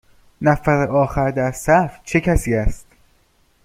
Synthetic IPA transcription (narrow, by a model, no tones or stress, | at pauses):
næfæɾeʔɒːxæɾd̪æɾsæft͡ʃʰecʰæsiːæst̪